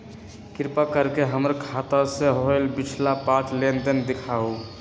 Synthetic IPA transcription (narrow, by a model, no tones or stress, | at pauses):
kiɾpakəɾkeɦəməɾkʰat̪aseɦoelbit͡ʃʰlapãt͡ʃlend̪ənd̪ekʰau